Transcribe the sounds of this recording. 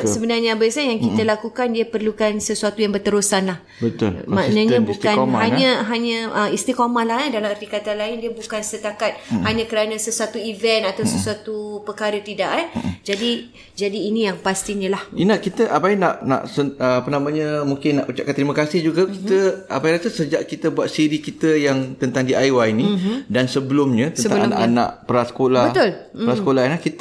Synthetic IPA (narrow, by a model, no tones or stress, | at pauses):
səbənarɲabaisanjaŋkit̪əlakukandiəpərlukansəsuat̪ujaŋbərt̪əɾusanlah | bət̪ʊ̰lmãnãɲə̃bukkanɦaɲɲãɦaɲãʔəist̪ikomalaandalamart̪ikat̪anlaɪndiəbukansət̪akat̪̚haɲãkəɾanãsəsuat̪uivɛnt̪at̪awsəsuat̪upəkaɾət̪idaʔand͡ʒadi | d͡ʒadiːnijaŋpast̪iɲəlahinakit̪əʔabainaʔna̰ʔsəpənamãɲamuŋkɪnːaʔut͡ʃa̰ʔ̚kant̪ɾimakasɪhd͡ʒuɡakit̪əa̰bajɾasəsəd͡ʒaʔkit̪əbuat̪̚siɾikit̪əjaŋt̪ənt̪aŋdiʔajwainidansəbəlʊmɲət̪əəəaana̰ʔana̰ʔpəɾasə̥kolabət̪ʊləɾasəkolainahkit̪